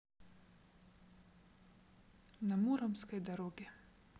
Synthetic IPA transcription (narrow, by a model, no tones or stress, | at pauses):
nɐmuɾɐmskɐjd̪ɐɾɔɡʲi